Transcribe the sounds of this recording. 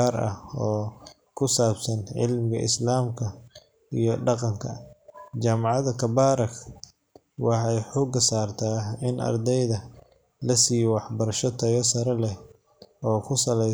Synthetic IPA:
aːɾɐ̰hɔː | kʰʊsaːbsɐnʕɪ̰lmɪɣɐ̰ʔɪ̰slaːmkʰɐ | ijɞɖɑqɑŋkʰɐt͡ʃaːmɑʕɑðɐkʰɐbaːɾɐk | wɑħɑjħʊɡɐsaːrt̪ʰaːɪnʔɐ̰rd̪ɛjðɐ | lɐsiːjwɑħbɐɾɐʃɔt̪ʰɐjɔsɐɾɐlɛ | ɔːkʰʊsɐlɛj

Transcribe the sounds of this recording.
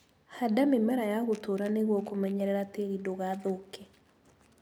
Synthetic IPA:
hadamimɛɾajaɣotoɾaneɣwɔkomɛɲɛɾɛɾateɣidoɣaðokɛ

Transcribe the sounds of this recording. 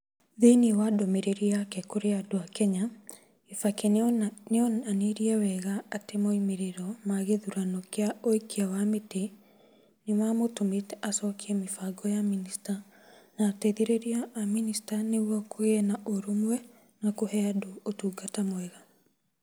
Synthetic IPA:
ðeniwadɔmeɾeɾiakɛkoɾeadoakɛɲa | efakɛneɔnaneɾiawɛɣaːtemoimeɾeɾɔmaɣeðuɾanɔkeaoikiawamete | nemamotometasɔkʰiɛmefaɡɔjaminista | naːtɛðeɾeɾiaːministaneɣwɔkoɣɛnaʔoɾomwɛ | nakohɛadoːtuːɡatamwɛɣa

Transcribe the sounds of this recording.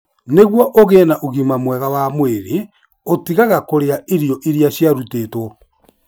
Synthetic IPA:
neɣwɔʔoɣeːnaʔoɣimamwɛɣawamweɾe | otiɣaɣakoɾeaʔeɾijɔʔiɾiaɕjaɾuteːtwɔ

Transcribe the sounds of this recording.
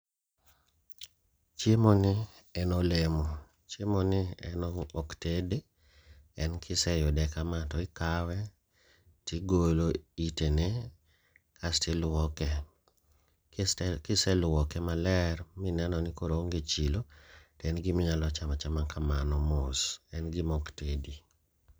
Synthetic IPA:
t͡ʃemonɪɛnolemo | t͡ʃemonɪɛ̰nɔoktede | ɛnkʰɪsɛjɔdɛkamatɔɪkawɛ | tʰɪɡoloitene | kʰastɪlwɔkɛ | kɪsɛlʊwɔkɛmalɛɾmɪnanɔnɪkoɾoŋɡet͡ʃilotɛnɡɪmɪŋalɔt͡ʃamat͡ʃamakamanɔmʊsɛnɡɪmɔktedi

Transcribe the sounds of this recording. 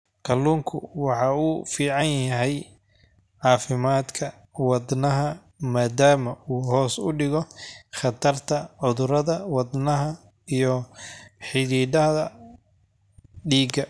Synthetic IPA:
qʰɐluːŋkʰʊ̰wɑħɑːuːfiːʕɑnjɐɦɛj | ʕɑːfɪmaːd̪kʰɐ | wɑd̪nɐɦɐ | maːd̪aːmɐuːɦɔːsʊ̰ɖɪɣɔχɑt̪ʰɐrt̪ʰɐʕʊðʊɾɐðɐwɑd̪nɐɦɐ | ijɔħɪðiːdɐðɐ | ɖiːɡɐ

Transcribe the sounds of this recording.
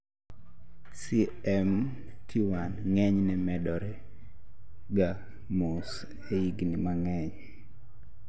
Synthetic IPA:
si | ɛm | tʰiwanŋɛɲnɛmɛdɔɾɛ | ɡa | mos | eiɡnimaŋɛɲ

